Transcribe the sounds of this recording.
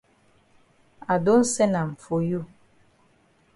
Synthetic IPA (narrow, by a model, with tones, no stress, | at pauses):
a˨do˦n̩˦sɛ˦na˨m̩˨fo˨ju˦˨